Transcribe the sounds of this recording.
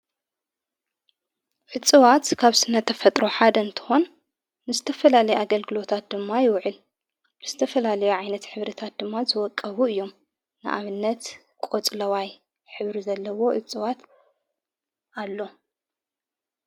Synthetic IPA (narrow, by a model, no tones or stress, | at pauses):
ʕɨt͡sʼɨwat̪kʰaβsɨnːɐt̪ʰːɐfɐt̪ʼɾo̞ħad̪ɐɨnt̪ʰɨ̥xo̞nː | ɨzɨt̪ʰɐfɐlalɐjuʔaɡɐlɡɨlo̞t̪ʰat̪̚d̪ɨmːajɪwʕɨl | b̥ɨz̥ɨt̪ʰɐfɐlalɐjuʕajnɐt̪ħɨβɾit̪ʰat̪̚d̪ɨmːazɨwɔkʼːɐβuɨjːo̞m | nɨ̰ʔa̰βɨnːɐt̪ | kʼot͡sʼlɐwaj | ħɨβɾizɐlːɐwo̞ʔɨt͡sʼɨwat̪ | alːo̞